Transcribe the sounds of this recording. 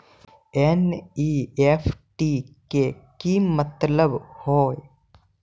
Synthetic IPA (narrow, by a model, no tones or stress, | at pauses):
eniːefʰʈikekimət̪ləbhoːe